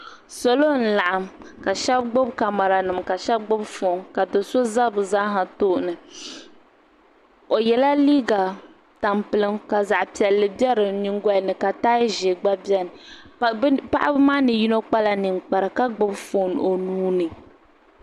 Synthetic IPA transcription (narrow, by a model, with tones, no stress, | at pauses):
so˨lo˦n̩˨la˨ʔa˨mka˨ʃɛ˦b̚ɡ͡bʊ˦bka˨ma˨ɾa˨nɨ˨mka˨ʃɛ˦b̚ɡ͡bʊ˦bfo˨˦nka˨do˨so˦za˦bɨ˨zaː˦ɦa˨to˦˨ʔnɨ˨ | o˨jɛ˨la˦liː˦ɡa˨ | ta˨mpɨ˨lɨ˦mka˨za˨ʔpi˨ɛ˨lːɨ˨bɛ˦ɾɨ˨nɨ˦ŋ˦ɡa˦˨nɨ˨ka˨taː˦jʒe˨ɡ͡ba˦bjɛ˦nɨ˨ | pa̰˦ʔa˦bɨ˦maː˦nɨ˨ji˦no˦k͡pa˦la˨nɨ˨ŋk͡pa˨ɾɨ˨ka˦ɡ͡bʊ˦bfoː˨n˨o˨nuː˦nɨ˨